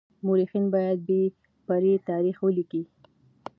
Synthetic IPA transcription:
mʊɾixinbɑjad̪̚be | paɾet̪ɑɾixwəliki

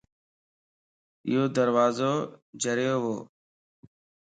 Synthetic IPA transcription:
ɪ̰ɦoːd̪əɾʋaːzoːd͡ʒəɾjoːɦoː

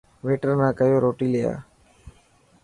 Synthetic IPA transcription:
ʋeːʈəɾnãːkəjoːɾoːʈiːlɪja̰ː

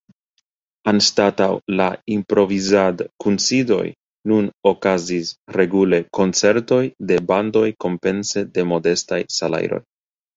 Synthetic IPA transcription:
anstatawlaimpɾo̞vizadkunsido̞̰j | nuno̞kazisɾe̞ɡule̞ko̞nt͡se̞ɾto̞jde̞bando̞jko̞mpe̞nse̞de̞mo̞de̞stajsala̰jɾo̞̰j

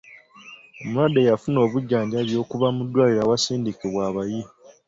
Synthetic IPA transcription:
omuɾadejafuno̞ːβuɟːaːɲɟaβjo̞ːkuβamudːwaːliɾawasiːndikeβwaːβaji

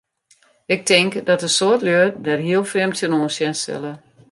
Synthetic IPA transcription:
ɪk̚tʰɪŋkdɔtəsoətløədɛrɦiəlˠfrɪmtənoːnsjɛnsɪ̰lˠə

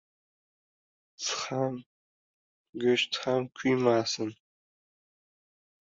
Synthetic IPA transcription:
t͡sʰχam | ɡɐʃt͡sʰχaːmkʷʰiːmaːsɨn

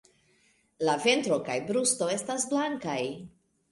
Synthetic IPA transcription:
lave̞ntɾo̞kajbɾusto̞e̞stasblaŋkaj

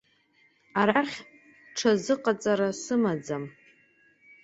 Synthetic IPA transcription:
aɾarχʲ | ʈ͡ʂʰazɨqʼat͡sʼaɾasɨmad͡zam

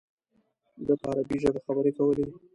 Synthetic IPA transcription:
d̪əpaaɾabiʒad̪axabəɾekawəle

